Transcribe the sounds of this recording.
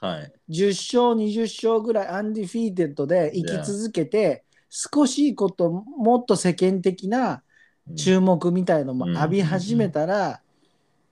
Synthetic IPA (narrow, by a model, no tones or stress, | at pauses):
d͡ʑɨɕːo̞ːɲ̟iʑɨɕːo̞ːɡɯ̟ɾaiãnd̪ʲiɸʲiːt̪̬e̞t̪ːo̞d̪e̞ikʲit͡sɨzɨke̞t̪e̞ | sɨ̥ko̞ɕiːko̞t̪o̞mo̞t̪ːo̞se̞kẽ̞nt̪e̞kʲina | t͡ɕɨːmo̞kɯ̟mʲit̪ainomoabʲiɦaʑime̞t̪aɾa